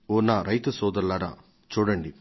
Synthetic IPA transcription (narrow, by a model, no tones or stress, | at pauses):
oːnaːɾɐjt̪ɐsɔːd̪ɐɾlaːɾɐ̰ | t͡ʃuːɽɐɳɖi